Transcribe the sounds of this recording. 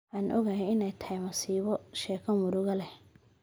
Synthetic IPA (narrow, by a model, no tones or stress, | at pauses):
ʔaːnʔɔ̰ɣajɛɪnɛjt̪ʰɐhɛjmɐsiːβɔʃɛːkʰɐmʊɾʊɣɐlɛ